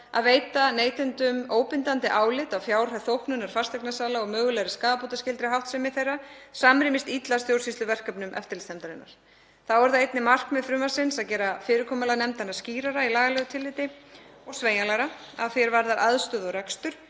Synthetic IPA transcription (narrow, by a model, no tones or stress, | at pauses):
a̰ðveːjt̪aneːjt̪ɪnt̪ʏmoːwpɪnt̪ant̪ɪʔaːwlɪt̪awfjaːwr̥haθowhknʏnːaɾ̥farst̪ɛknasaːlaɔɣmœːɣʏlɛɾɪskaːðapot̪ascɪlt̪ɾɪɦawht̪sɛmɪθejrːasaːmɾɪmɪst̪it̪last̪jowɾsist̪lʏvɛr̥kœpnʏmʔɛ̰ft̪ɪɾlɪst̪ɛmt̪aɾɪnːa̰ɾ̥ | θawɛɾθaðejt̪nɪmar̥kmɛðfɾʏːmḁsɪnsaðcɛːɾafɪːɾɪkʰɔːmalanɛmt̪anːasciːɾaɾailaːɣalœːɣʏt̪ʰɪlːɪːt̪ɪɔɣsveːjalaɾaa̰ðfɛɾvaɾðaɾʔaðst̪œːðɔɣrɛkst̪ʏɾ̥